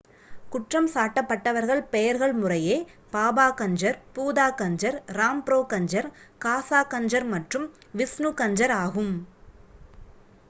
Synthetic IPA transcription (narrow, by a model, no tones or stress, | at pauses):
kʊʈrɐmsaːʈːɐpːɐʈːɐʋɐɾɣɐɭpɛjɐɾɣɐɭmʊrɐjeːpaːbaːkɐɲd͡ʒɐɾpuːðaːkɐɲd͡ʒɐɾɾaːmpɾoːkɐɲd͡ʒɐɾkaːsaːkɐɲd͡ʒɐɾmɐʈrɯm | ʋɪsnukɐɲd͡ʒɐɾaːɣɯm